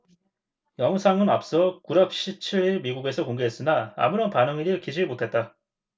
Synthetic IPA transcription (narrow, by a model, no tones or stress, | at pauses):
jʌŋsʰaŋɯnap̚s͈ʌkuɾap̚ɕ͈ʰit͡ɕʰiɾiɾmiɡuɡe̞sʰʌkoŋɡe̞ɦe̞s͈ɯnaa̰muɾʌnpanɯŋiɾiɭkid͡ʑimotʰe̞t̚t͈a